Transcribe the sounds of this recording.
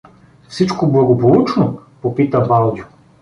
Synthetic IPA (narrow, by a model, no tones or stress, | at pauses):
fsit͡ʃkoblˠɐɡopolˠut͡ʃnopopit̪ɐbalˠd̪ʲjʊ